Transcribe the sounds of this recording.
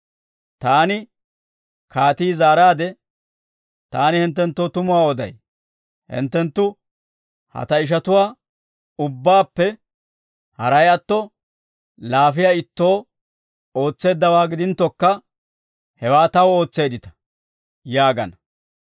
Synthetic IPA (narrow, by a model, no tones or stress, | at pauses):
t̪aːnɪ | kaːt̪iːzaːɾaːd̪ɛ | t̪aːnɪhɪnt̪̬ːɛnt̪ːoːt̪ʊmʊwaːɔd̪ɐ̰j | hɪ̰nt̪ːɛnt̪ːʊ | hɐ̰t̪ɐɪʃ̬ɐt̪ʊwaː | ʊbːaːpːɛ | hɐɾɐjɐt̪ːɔ | laːfɪjaːɪt̪ːo̞ː | o̞ːt͡sːe̞ːd̪ːɐwaːɡɪd̪ɪnt̪ːɔkːɐ | hɛwaːt̪ɐwo̞ːt͡sːe̞ːd̪ɪt̪ɐ̥ | jaːɡɐ̰nɐ